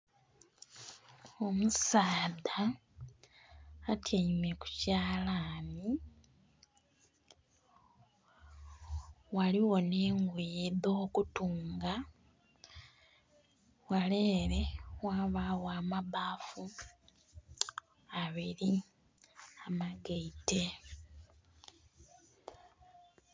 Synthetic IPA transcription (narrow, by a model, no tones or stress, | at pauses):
o̞musaːda | tʰjaimeku̥caːlani | waliwo̞neːŋɡwiːðo̞ːkutuːŋɡa | waleːɾe̞waβawaːmaβafu | aβiɾi | amaɡeite̞